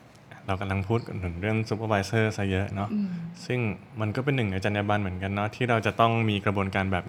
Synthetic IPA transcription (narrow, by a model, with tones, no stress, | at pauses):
ʔa˧˩ɾa˧wka˧mla˧ŋpʰuː˥˩t̪̚ka˨˩p̚nʰɯ˩˦ɾɯ˥˩əŋsu˧˦˥pʰaː˧waː˧jsɤː˥˩sa˦˥jɤ˦˥ʔnɔ˦˥ʔsɯ˥˩ŋ | ma˧nkɔː˥˩p̬e˧nːɯ˨˩ŋna˧jt͡ɕa˧njaː˧baː˧nmɯ˩˦ənka˧nːɔ˦˥t̪ʰiː˥˩ɾa˧wt͡ɕa˨˩ʔt̪ɔ˥˩ŋmiː˧kɾa˧bu˧ənkaː˧nbɛː˨˩p̚